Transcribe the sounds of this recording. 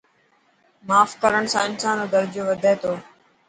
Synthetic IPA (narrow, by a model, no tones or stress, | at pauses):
maːfkəɾəɳ̃sãːɪnsaːnoːd̪əɾd͡ʒjõːʋəd̪ʱeːt̪oː